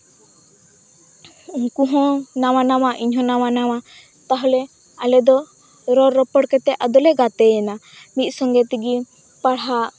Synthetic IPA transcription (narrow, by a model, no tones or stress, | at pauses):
kũɦɔ̃naw̃anawaʔiɲɦɔ̃nawanawa | t̪aɦɔlɛ | alɛd̪ɔ | ɾɔɾɾɔpɔɽkɛt̪ɛʔad̪ɔlɛɡat̪ɛjɛna | mit̪̚ˀsɔŋɡɛt̪iɡi | paɽɦa